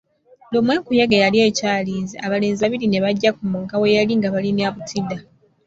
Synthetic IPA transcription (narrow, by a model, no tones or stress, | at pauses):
lomweːkujaɡejalieːcaːliːziaβale̞ːnzaβiɾine̞βaɟːakumuːŋkawejaliŋɡaβalinaβutʰida